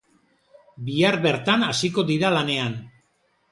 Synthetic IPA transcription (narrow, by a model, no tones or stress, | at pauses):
biaɾβe̞ɾt̪anasiko̞ðiɾalane̞an